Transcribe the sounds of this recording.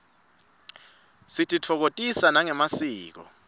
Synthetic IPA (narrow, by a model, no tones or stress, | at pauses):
sitʰʼitʰɔk̬otʼisanaŋɛmasiːk̬ɔ̰